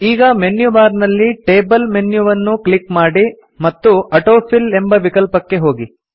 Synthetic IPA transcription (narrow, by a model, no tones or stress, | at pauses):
iːɡɐmenjuʋaːɾnɐlːiʈe̞ːbɐlmenjuʋɐnːuklikmaːɽi | mɐt̪ːuɐʈoːpʰile̞mbɐʋikɐlpɐkːe̞ɦo̞ːɡi